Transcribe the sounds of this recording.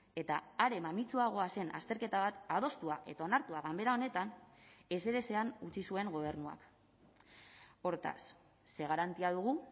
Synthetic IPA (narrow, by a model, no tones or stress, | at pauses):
e̞t̪aaɾe̞mamit͡suaɣ̞o̞ase̞nʔa̰st̪e̞ɾke̞t̪aβ̞at̪að̞o̞st̪uaʔe̞t̪ao̞naɾt̪uaɣambe̞ɾao̞ne̞t̪ane̞se̞ɾe̞se̞anut͡sisue̞ŋɡo̞β̞e̞ɾnua̰k | o̞ɾt̪a̰sː | e̞ɣ̞aɾant̪iaðuɣ̞u